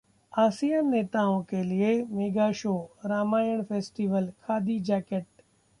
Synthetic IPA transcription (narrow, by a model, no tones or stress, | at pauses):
aːsijənːeːt̪aːõkʰelɪemeːɡaːʃoːɾaːmaːjəɽ̃feːsʈiːʋəlkʰaːd̪ʱid͡ʒaːkeʈ̚